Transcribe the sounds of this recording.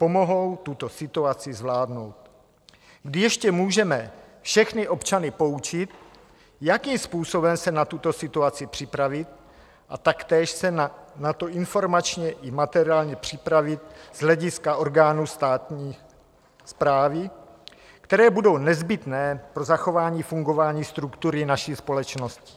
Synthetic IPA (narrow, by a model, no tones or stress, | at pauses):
po̞mo̞ɦo̞wt̪ut̪o̞sɪt̪uat͡sɪzvlaːdno̞wt̪ | ɡdɪjɛʃcɛmuːʒɛmɛfʃɛxnɪʔo̞pt͡ʃanɪpo̞ut͡ʃɪt̪ | jakiːmspuːso̞bɛmsɛnat̪ut̪o̞sɪt̪uat͡sɪpr̝̥ɪpɾavɪt̪̚ | ʔat̪akt̪ɛːʃsɛnat̪o̞ʔɪnfo̞ɾmat͡ʃɲɛʔɪmat̪ɛɾɪaːlɲɛpr̝̥ɪpɾavɪt̪̚z̥ɦlɛɟɪskaʔo̞ɾɡaːnust̪aːt̪ɲiː | spɾaːvɪ | kt̪ɛɾɛːbudo̞wnɛzbɪt̪nɛːpɾo̞zaxo̞vaːɲiːfuŋɡo̞vaːɲiːst̪ɾukt̪uɾɪnaʃiːspo̞lɛt͡ʃno̞scɪ̥